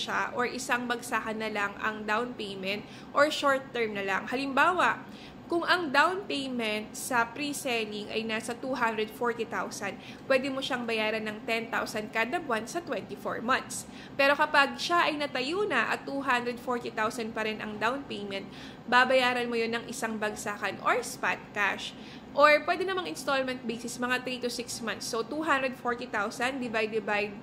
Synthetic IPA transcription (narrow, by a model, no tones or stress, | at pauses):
ʃaʔoɹʔɪsaŋbɐɡsaːkɐnːɐlaŋɐ̰ŋd̪awnpejmɛnt̪̚ | ʔoɹʃoɹt̪ːɛɹmnɐlaŋhɐlɪmbaːwɐʔ | kʊŋɐŋd̪awnpejmɛnt̪̚sɐpɾisɛlɪŋɐ̰jnaːsɐt̪uɦand̪ɾɛd̪foɹt̪it̪awsɐn | pwɛd̪ɪmoʃaŋbɐjaːɾɐnːɐŋt̪ɛnt̪awsɐnkad̪ɐbwansɐt̪wɛnt̪ifo̰ɹmɐnt̪s | pɛːɾo̞kɐpaɡ̚ʃaʔɐjnɐt̪ɐjuːnɐʔɐ̰t̪ːuːɦand̪ɾɛd̪foɹt̪it̪awsɐnd̪̚pɐɾɛnʔɐ̰ŋd̪awnpejmɛ̃nt̪̚ | babɐjaːɾɐnmojonːɐŋʔɪsaŋbɐɡsaːkɐnʔo̰ɹspa̰t̪̚ka̰ʃ | ʔoɹpwɛd̪ɛnɐmaŋɪnst̪olmɛnt̪̚bisɪsmɐŋat̪ɾit̪ʊsɪksmant̪sːot̪uɦand̪ɾɛd̪foɹt̪it̪awsɐnd̪ɪbajd̪ɪbajd̪̚